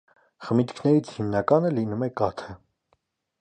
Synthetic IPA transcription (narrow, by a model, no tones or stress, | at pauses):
χəmit̪kʰnɛɾit͡sʰhimnɑkɑnəlinumɛkɑt̪ʰə